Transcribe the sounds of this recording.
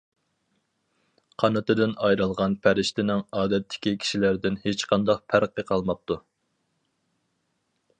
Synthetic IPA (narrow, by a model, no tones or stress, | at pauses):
qʰɑnɨt̪ɨd̪ɪnɑjɾɑlˠʁɑnpʰæɾɪʃt̪ɪnɪŋɑːd̪ɛt̪ʰːɪ̥kʲikʲʰi̥ʃilæɾd̪ɪnhet͡ʃqʰɑnd̪ɑqpʰæɾqʰːəqʰɑlˠmɑp̚t̪u